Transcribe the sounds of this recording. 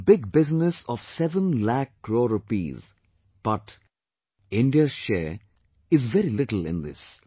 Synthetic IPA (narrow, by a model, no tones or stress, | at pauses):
bɪɡ̚bɪznəsɔʋsɛʋə̃nlækːɾoɾʊpḭːz | b̥ʌʈ | ɪ̃ɳɖiəʃeː | ɪzʋɛɾilɪʈl̩ɪ̰̃nd̪ɪ̰s